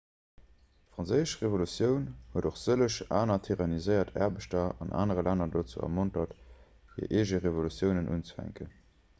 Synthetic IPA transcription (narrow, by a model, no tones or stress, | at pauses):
tfʁɑnzəɪəʃʁevolut͡sjəʊnhuədoχz̥ələʃʔaːnɐtʰiʁɑnizəɪɐtʰɛ̰ɐbəʃtɐɑ̰nʔa̰ːnəʁəlænɐdoːt͡sṵɐ̰montɐt | hḭəɐʔeːʒəʁevolut͡sjəʊnənʔṵnt͡sə̥fæ̰ŋkən